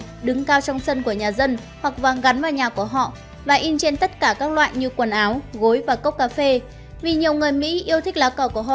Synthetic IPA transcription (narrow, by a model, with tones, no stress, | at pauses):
ɗɨ˨˦ŋkaː˧wt͡ɕɔ˧wŋ͡msə˧nku˧˩əɲaː˨˩zə˧n | hwa˨˩k̚vaː˨˩ɣa˨˦nvaː˨˩wɲaː˨˩ku˧˩əɦɔ̰˧˨ʔ | vaː˨˩ʔi˧nt͡ɕe˧nt̪ə˦˥t̚kaː˧˩kaː˦˥k̚lwa̰ː˧˨jɲɨ˧kwə˨˩nʔaː˨˦wɣo˨˦jvaː˨˩kə˦˥k͡p̚kaː˧fe˧ | vi˨˩ɲi˨˩əwŋɨ˨˩əjmḭ˧˥ʔi˧əwt̪ʰï˦˥k̚laː˨˦kə˧˩ku˧˩əɦɔ̰˧˨ʔ